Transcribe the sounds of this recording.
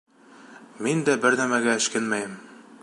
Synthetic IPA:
mind̪æbɘɾnæmæɡæɘ̆ʃkɘnmæjɘm

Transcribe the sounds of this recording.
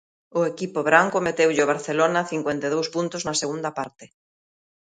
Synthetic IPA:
ʊekipoβɾaŋkomet̪ewʎɪoβ̞aɾθelonaθiŋkwent̪eðowspunt̪ʊznɐseɣund̪ɐpaɾt̪ɪ

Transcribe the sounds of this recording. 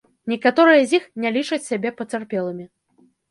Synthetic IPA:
nʲɛkat̪ɔɾɨjɐzʲixnʲɛlʲit͡ʂɐt͡sʲsʲabʲɛpɐt͡s̪ʲarpʲɛlˠɨmʲi

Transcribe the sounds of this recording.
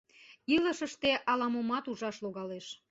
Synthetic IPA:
iləʃəʃt̪eʔɑlɑmomɑt̪uʒɑʃloɣɑleʃ

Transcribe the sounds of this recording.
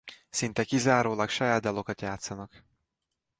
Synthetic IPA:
sint̪ɛkizaːɾoːlɒkʃɒjaːd̪̚d̪ɒlo̞kɒt̪jaːt̪sɒnɒk

